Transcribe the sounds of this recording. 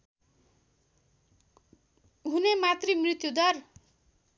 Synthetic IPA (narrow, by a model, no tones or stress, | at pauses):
ɦunemat̪rimrit̪jud̪ʌr